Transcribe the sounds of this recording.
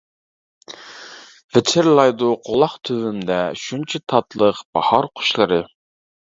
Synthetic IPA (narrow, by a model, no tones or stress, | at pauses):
vɪt͡ʃʰɪɾlˠɑjd̪uqʰolˠɑχt̪ʰøvymd̪ɛʃunt͡ʃʰɛt̪ʰɑt̪lˠəqb̥ɑ̰hɑɾqʰʊ̥ʃlˠɨɾɨ